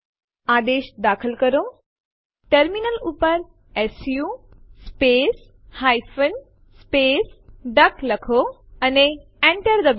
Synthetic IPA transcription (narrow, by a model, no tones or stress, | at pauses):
ad̪eɕd̪akʰəlkəɾo | ʈəɾminəlupəɾ | ɛsju | spes | hajfən | sːpesɖəkləkʰo | əne | ɛ̃ɳʈəɾd̪əb